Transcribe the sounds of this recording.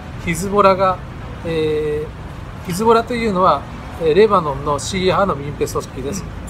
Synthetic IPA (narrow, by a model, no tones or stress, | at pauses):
çizɨbo̞ɾaɡa | eː | çizɨbo̞ɾat̪e̞jɯ̟ːno̞βa | eɾe̞banõ̞nno̞ɕiːɦano̞bʲĩmpe̞sosɨ̥kʲid̪e̞sɨ̥